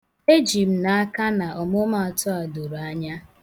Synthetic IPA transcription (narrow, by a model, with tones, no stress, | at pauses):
e˦d͡ʒi˨p̩˨na˨a˦ka˦na˨ʔɔ˨mʊ˦ma˨tʊ˦a˨do˨ɾa˦ɲa˦